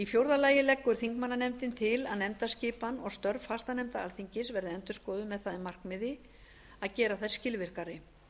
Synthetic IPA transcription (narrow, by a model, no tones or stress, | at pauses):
ifjowɾðalaːjɪlɛkːʏɾ̥θiŋkmanːanɛmt̪ɪnt̪ʰɪlaðnɛmt̪ascɪːpanɔɣst̪œɾvfast̪anɛmt̪aalθiɲcɪsvɛɾðɪɛnt̪ʏskɔːðʏmɛðθaːðɪmar̥kmɪðɪ | aðcɛːɾaθḁscɪlvɪr̥kaɾɪ